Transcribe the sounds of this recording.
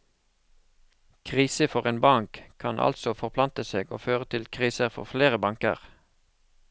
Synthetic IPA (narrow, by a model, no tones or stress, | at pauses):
kʰʁiːsəfɔʁeːnbɑŋkʰɑnʔɑ̰lsɔfɔʁpʰlɑnt̪əseːɡo̰ːføːʁət̪ʰɪlkʰʁiːsəʁfɔ̰ʁfleːʁəbɑŋkə̰ʁ